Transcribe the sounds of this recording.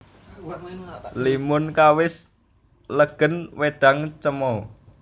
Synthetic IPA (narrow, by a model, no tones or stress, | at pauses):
limʊnkawɪs | ləɡ̥ə̤nweɖ̥a̤ŋt͡ʃəmɔ